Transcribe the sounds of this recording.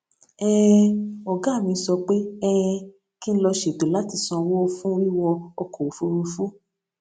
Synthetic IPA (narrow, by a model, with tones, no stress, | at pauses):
ɛ˦ɔ˨ɡa˨˦˨mĩ˧˦sɔ˧k͡pe˦ɛ˦˧ | ki˦n̩˦lɔ˧ʃe˨do˨la˨˦ti˧sɔ̃˧wo˦fũ˦ɾi˦wɔ˧ɔ˧ko˨fu˧˦ɾu˧fu˦